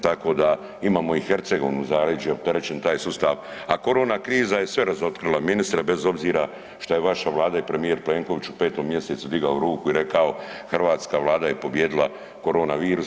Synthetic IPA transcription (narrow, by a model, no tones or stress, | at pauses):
t̪ako̞ːd̪a | imaːmo̞ixe̞ɾt̪se̞ɡo̞ʋnuzaɾed͡ʒo̞pt̪e̞ɾe̞t͡ɕe̞nt̪aːjsust̪aʋako̞ɾo̞ːnakɾiːzaje̞sʋe̞ɾazo̞t̪kɾilˠaminist̪ɾebe̞zo̞bziːɾa | ʃt̪oje̞ʋaʃaʋlˠaːd̪aipɾe̞mije̞ɾple̞ŋko̞ʋit͡ʃupeːt̪o̞mːje̞se̞t̪sud̪iɡaoɾuːkuiɾe̞kao̞xrʋaːt̪skaʋlˠaːd̪ajepo̞bjeːd̪ilˠa | ko̞ɾo̞ːnaʋiːɾus